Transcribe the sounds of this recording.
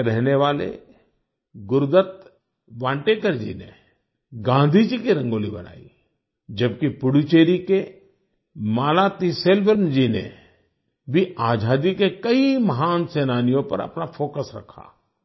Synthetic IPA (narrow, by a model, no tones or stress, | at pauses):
ɾɛɦneʋaːlḛ | ɡʊɾd̪ət̪ | ʋãːɳʈeːkəɾd͡ʒḭnḛ | ɡãːnd̪ʱid͡ʒikiɾɐ̃ŋɡoːlibɐ̰na̰ːḭ | d͡ʒɐb̚kipʊɽut͡ʃeːɾike | maːlat̪iseːlʋəɾnd͡ʒinḛ | bʱiaːd͡ʒʱaːd̪ikekɐimɐɦaːnseːnaːnijõpɐ̰ɾɐ̰pnafʰoːkəsɾɐ̰kʰːa̰ː